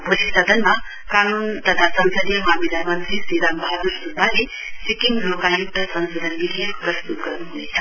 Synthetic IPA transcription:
bʱulisɐd̪ʱɐnma | kanunt̪ɐt̪ʰasɐnsəd̪jmamilamɐnt̪ɾisid̪ambʱaɾusubʱali | sikiŋlokajuk̚d̪ʱəsɐnsod̪ʱɐnmiliepɾɐst̪ut̪ɡəɾnuɦunet̪ʰḁ

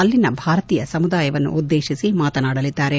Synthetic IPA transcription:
ɐlːinɐbʱaːɾɐt̪iːjɐsɐmud̪aːjɐʋɐnːṵʔud̪ːeːʃisimaːt̪ɐnaːɽɐlid̪ːaːɾe

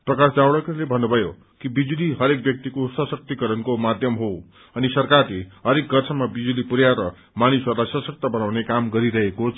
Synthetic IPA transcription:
prʌkasd͡zawɽʌkʌlebʱʌnːubʱʌjo | kibid͡zuliɦʌɾek̚bjʌk̚t̪ikosʌsʌk̚t̪ikʌɾʌnkomad̪ʱjʌmɦo | ʌnisʌrkarleɦʌɾek̚ɡʌrt͡sʰʌmabid͡zulipuɾjaɾʌ | manisʌɾulajsʌsʌk̚t̪ʌbʌnawnekamɡʌɾiɾʌɦekot͡sʰ

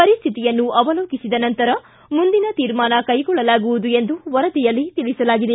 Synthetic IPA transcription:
pɐɾist̪ʰit̪ijɐnːuʔɐʋɐloːkisid̪ɐnɐnt̪ɐɾɐ | mund̪inɐt̪iːɾmaːnɐkɐjɡɔɭːɐlaːɡuʋud̪ue̞nd̪uʋɐɾɐd̪ijɐlːit̪ilisɐlaːɡid̪e̞

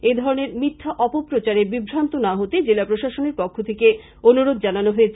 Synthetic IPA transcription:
ed̪ʱɔɾoneɾmit̪ʰːaʔɔpopɾot͡ɕaɾebibʱɾant̪onaɦot̪ed͡ʑelapɾoʃaʃoneɾpɔkʰːot̪ʰeke | onuɾod̪̚ʱd͡ʑananoɦoet͡ɕʰ

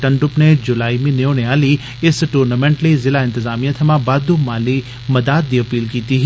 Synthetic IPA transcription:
ʈɐ̃ɳɖʊpned͡ʒʊlaːimĩneoneaːli | ɪsʈuːɾnamẽːɳʈlizɪlaɪ̃nt̪ɪzaːmijat̪ʰɐmãbaːd̪umaːli | mɐd̪aːt̪̚d̪iɐpiːlkiːt̪iɦ

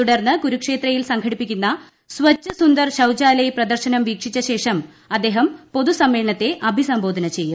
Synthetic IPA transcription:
t̪uɽɐrnːɨɡuɾukʂe̞ːt̪rɐjilsɐŋkʰɐɽipːikʲːunːɐ | sʋɐt͡ɕːɐsund̪ɐrɕɐwd͡ʑaːlejprɐd̪ɐrɕɐnɐmʋiːkʂit͡ɕːɐɕe̞ːʂɐm | ɐd̪ːe̞ːɦɐmpo̞ðusɐmːe̞ːɐɳɐt̪ːe̞ʔɐbʱisɐmboːd̪ʱɐnɐt͡ɕe̞jːum

